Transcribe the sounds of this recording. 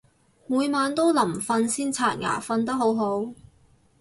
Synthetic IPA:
muː˨˧jmaː˨˧nt̪o˥wlɐ˨˩mfɐ˧nsiː˥nt͡sʰaː˨˩nŋa̰ː˨˩fɐ˧nt̪ɐ˥k̚ɦo˨˥wɦo˨˥w

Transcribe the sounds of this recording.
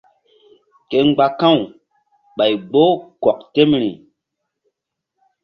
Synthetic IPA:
ke˨ŋ͡mɡ͡ba˦kã˦˨w | ɓa˨jɡ͡bo˦kɔ˨k̚te˦mɾḭ˨

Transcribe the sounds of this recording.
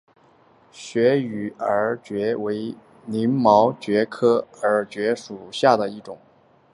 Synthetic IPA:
ɕɥɛ˧˥y˨˩ə˧˥t͡ɕɥɛ˧˥we˧˥ɪ | ni˧˥nmɑ˧˥ʊt͡ɕɥɛ˧˥kʰɤ˥ə˞˧˥t͡ɕɥɛ˧˥ʂu˨˩ɕja˥˩d̪ə˩i˥˩ʈ͡ʂʊ̰˨˩˦ŋ

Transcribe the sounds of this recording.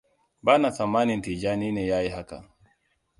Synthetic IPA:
ba˦na˨sa˨ma˦ni˨n˨ti˨d͡ʒa˦ni˦nɛ˨ja˦ji˨ɦa˦ka̰˨

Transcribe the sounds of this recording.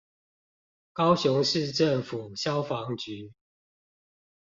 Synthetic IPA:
kɑ˥˦ʊɕʊ˧˦ŋʂɻ̩˥˨ʈ͡ʂə˥˨ŋfu˨˩ɕjɑ˦ʊfɑ˨˦ŋt͡ɕy˨˦

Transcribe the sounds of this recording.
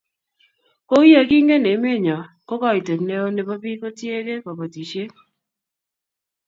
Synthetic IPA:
ko˦i˦a˨ki˦ŋɡe˦ne˨˦me˦ɲɔ˨ | ko˦kɔ˦i˨te˨ne˦o˦ne˨pa˦bi˦kɔ˦tje˦ɾe˦pa˨pa˨ti˨ʃe˦

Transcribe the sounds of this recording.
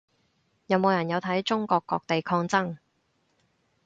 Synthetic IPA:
jɐ˨˧wmo˨˧wjɐ˨˩njɐ˨˧wt̪ʰɐ˨˥jt͡sʊ˥ŋkɔː˧kːɔː˧k̚t̪e˨jkʰɔː˧ŋt͡sɐ˥ŋ

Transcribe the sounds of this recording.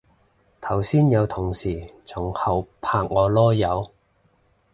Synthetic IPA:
t̪ʰɐ˨˩wsiː˥njɐ˨˧wt̪ʰʊ˨˩ŋsiː˨˩t͡sʰʊ˨˩ŋhɐ˨˧wpʰaː˨ŋːɔː˨˧lɔː˥jɐ˨˧w

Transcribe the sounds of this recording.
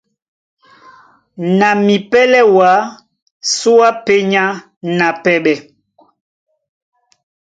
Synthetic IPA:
na˨mi˨pɛ˦lɛ˦wa˨˦ | su˦a˦pe˦ɲa˦ | na˨pɛ˦ɓɛ˨

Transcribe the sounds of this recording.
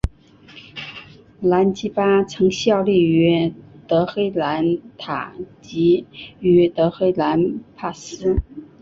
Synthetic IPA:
la˧˥nt͡ɕi˥pa˥t͡sʰɤ˧˥ŋɕjɑ˥˧ʊli˥˩y˧˥t̪ɤ˧˥xe˥ɪla˧˥nt̪ʰa̰˨˩t͡ɕi˧˥y˧˥t̪ɤ˧˥xe˥ɪla˧˥npʰa˥˩sɹ̩˥

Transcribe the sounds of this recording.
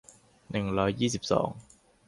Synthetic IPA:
ne˨˩ŋlɔː˨˥jjiː˥˩si˨˩p̚sɔ̰ː˨˥ŋ

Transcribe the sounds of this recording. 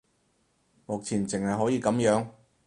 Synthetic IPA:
mʊ˨k̚t͡sʰiː˨˩nt͡sɪ˨ŋhɐ˨jɦɔː˨˥jiː˧kɐ˨˥mjœː˨˥ŋ

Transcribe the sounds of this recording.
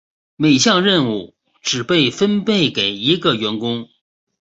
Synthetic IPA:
me˨˩ɪɕjɑ˥˧ŋɻə˥˧nu˥˩ | ʈ͡ʂɻ̩˨˩pe˥˩ɪfə˥npe˥˩ɪke˨˩ɪi˧˥ɡə˧ɥɛ˧˥nkʊ˥ŋ

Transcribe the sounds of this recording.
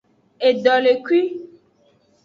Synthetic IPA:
e˨ɖɔ˨le˨kwi˦

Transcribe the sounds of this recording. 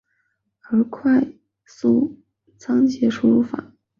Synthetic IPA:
ə˞˧˥kʰwa˥˧ɪ | su˥˩ | t͡sʰɑ˥ŋt͡ɕʰjɛ˧˥ʈ͡ʂʰu˥˧˩fa̰˨˩˦

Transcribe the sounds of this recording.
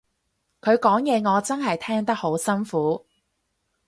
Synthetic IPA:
kʰɵ˨˧ɥkɔː˨˥ŋjɛː˨˧ŋɔː˨˧t͡sɐ˥nɦɐ˨jt̪ʰɛː˥ŋt̪ɐ˥k̚ho˨˥wsɐ˥nfuː˨˥

